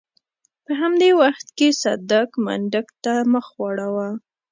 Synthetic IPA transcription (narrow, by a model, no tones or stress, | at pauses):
pəɦamd̪ewaxt̪kesad̪akma̰ɳɖəkt̪aməxwɑɽawa